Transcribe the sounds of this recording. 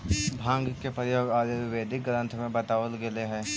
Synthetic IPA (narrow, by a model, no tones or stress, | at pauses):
bʱãːŋɡkepɾəjoːɡaːleɪʋeːd̪ʱɪk̚ɡɾə̃nt̪ʰmẽbɐt̪aːʋəlɡɪleɦɛː